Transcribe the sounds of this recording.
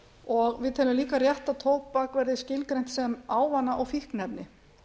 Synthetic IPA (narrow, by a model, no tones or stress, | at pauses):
ɔɣvɪðt̪ʰɛːlʏmliːkarjɛht̪aðt̪ʰoːwppakvɛɾðɪscɪlkɾejn̥t̪sɛmaːwvanːaʔɔɣfihknɛpnɪ